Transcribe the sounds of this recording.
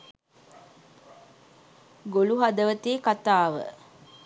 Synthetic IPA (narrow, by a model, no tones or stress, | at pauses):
ɡoluɦad̪əʋət̪eːkat̪aːʋə̰